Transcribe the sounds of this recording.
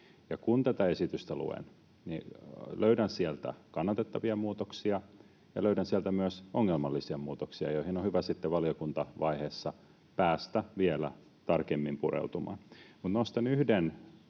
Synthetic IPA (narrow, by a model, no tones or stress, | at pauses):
jɑkunt̪æt̪æesit̪yst̪ælṵḛn | niløydænsielt̪æ̰kɑnːɑt̪et̪ːɑʋiɑmuːt̪oksiɑ | jɑløydænsiɛlt̪æmyøsoŋːelmɑlːisiɑmuːt̪oksiɑ̰joihinohyʋæsit̪ːeʋɑliokunt̪ɑʋɑiheːsːɑ | pæːst̪æʋielæ̰ | t̪ɑrkemːimpurḛut̪umɑ̰nmut̪nost̪ɑnyhden